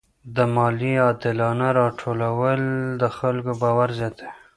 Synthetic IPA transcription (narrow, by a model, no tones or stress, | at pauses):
d̪əmɑliɑd̪ɪlɑnaɾɑʈʰolawəld̪əxalkobɑwaɾzet̪e̥